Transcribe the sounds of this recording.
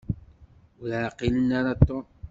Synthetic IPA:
ʊlaqilənaɾat̪ːo

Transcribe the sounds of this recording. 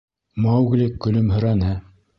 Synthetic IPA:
mɑwɡlʲikːɵ̆lɵmɦɵ̆ɾænɘ

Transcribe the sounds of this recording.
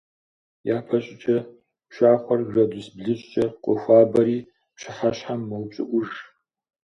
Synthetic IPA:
jaːpʰɐɕʼɪt͡ʃʼɐ | pʃʷaːχʷɐrʒɐdʊsbɮɨt͡ʃʼt͡ʃʼɐqʷʼɔxʷaːbɐɾiː | pʃɪħaɕħamːɐwpt͡ʃʼɪ̰ʔʷʊʒ

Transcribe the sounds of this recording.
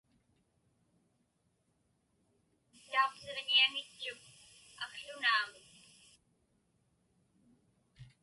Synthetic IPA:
it̪ːaoqse̞ʁniaŋɪt͡ʃːʊk̚ɑkɬʊnaːmɪk

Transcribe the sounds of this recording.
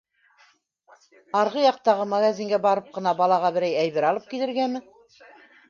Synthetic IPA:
ɑɾʁɤjɑq̚t̪ɑʁɤmaɣazʲiŋɡæbɑɾɤp̚qɤ̆nɑbɑlˠɑʁɑbɘ̆ɾæjæjβɘɾɑlˠɤp̚kilɘ̆ɾɡæmɘ

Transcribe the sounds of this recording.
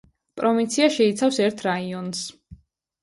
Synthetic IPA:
pʼɾɔvint̪sʰiaʃɛit̪sʰafsɛɾt̪ʰɾaiɔns

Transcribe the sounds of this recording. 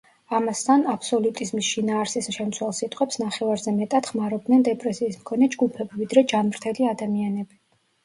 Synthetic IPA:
amast̪ʰanapʰsɔlut̪ʼizmisʃinaːɾsisʃɛmt̪sʰwɛlˠsit̪ʼqʼɛpsnaχɛvaɾzɛmɛt̪ʼad̪̥χmaɾɔbd̪nɛnd̪ɛpʼɾɛsiːsmkʰɔnɛd͡ʒɡupʰɛbivid̪ɾɛd͡ʒanmɾt̪ʰɛliad̪amianɛbi

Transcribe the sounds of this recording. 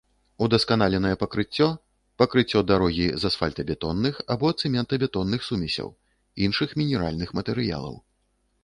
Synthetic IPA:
ud̪ɐskan̪alʲɛnɐjɛpɐkɾɨt͡sʲːɔ | pɐkɾɨt͡sʲːɔd̪aɾɔɣʲizasfa̰lʲt̪ɐbʲɛt̪ɔnːɨxabɔɐt̪sɨmʲɛnt̪ɐbʲɛt̪ɔnːɨxsumʲɛsʲɐ̰w | inʂɨxmʲinʲɛɾa̰lʲnɨxmɐt̪ɛɾɨja̰lˠɐ̰w

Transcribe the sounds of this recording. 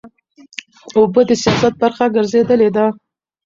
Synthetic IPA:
obəd̪əsijɑsat̪̚baɾxaɡəɾzed̪əled̪a

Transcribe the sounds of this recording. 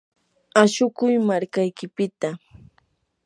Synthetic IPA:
aʃʊkʊjmaɾkajkɪpɪt̪a

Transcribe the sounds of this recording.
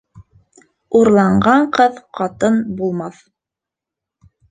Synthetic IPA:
uɾlˠɑɴɢɑɴqɤðqɑt̪ɤnbulˠmɑθ

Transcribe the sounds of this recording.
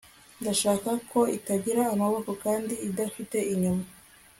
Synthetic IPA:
ndaʃaːkakʰo̞itaɡiɾaːmaβo̞ko̞kaːndiːdafite̞iɲuma

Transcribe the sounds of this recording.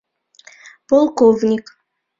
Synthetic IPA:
polˠkovnʲik

